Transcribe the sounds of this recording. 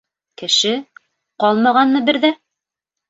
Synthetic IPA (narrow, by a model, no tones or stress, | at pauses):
kɘ̆ʃɘ | qɑlˠmɑʁɑnmɤbɘɾðæ